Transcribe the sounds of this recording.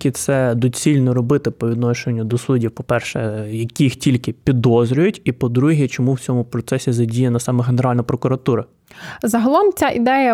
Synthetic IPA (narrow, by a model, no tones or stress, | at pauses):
kʲɪt̪sɛd̪ut͡sʲilʲnɔɾɔbɪt̪ɪpɔʋʲid̪nɔʃenʲːɐd̪ɔsudʲiwpɔpɛrʃɛ̰jɐkʲijixtʲilʲkɪpʲid̪ɔzɾʲʊjʊtʲipɔd̪ɾuɦʲɛt͡ʃɔmuwt͡sʲɔmʊpɾɔt̪sɛsʲizɐdʲijɐnɐsɑmɐɦe̞neɾɑlʲnɐpɾɔkʊɾɐt̪uɾɐ | zɐɦɐlˠɔmt͡sʲaʔid̪ɛjɐ